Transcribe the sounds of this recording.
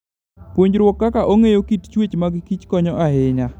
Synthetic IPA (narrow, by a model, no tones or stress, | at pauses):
pwoɲd͡ʒɾwɔkːakaʔoŋejokitt͡ʃwet͡ʃmaɡɪkit͡ʃkɔɲɔʔaɦɪɲa